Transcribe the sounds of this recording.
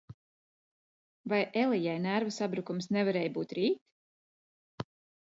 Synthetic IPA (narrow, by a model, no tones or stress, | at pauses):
vajʔelˠijajnæɾvasabɾukumsnɛvaɾɛːjbuːt̪ɾiːt̪